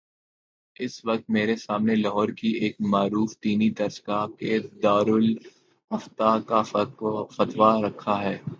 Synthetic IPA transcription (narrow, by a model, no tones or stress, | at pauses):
ɪsʋɐk̚t̪meːɾesaːmnelɐɦɔːɾkieːkmaːɾuːft̪iːnid̪ɐɾsɡaːkeːd̪aːɾʊl | ɦɐft̪aka | fɐt̪ʋaɾɐkʰːaɦɛː